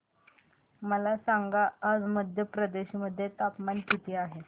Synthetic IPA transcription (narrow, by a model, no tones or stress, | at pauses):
məlasaŋɡaːd͡zməd̪ʱjəpɾəd̪eɕiməd̪ʱːjet̪apmant̪it̪iaɦe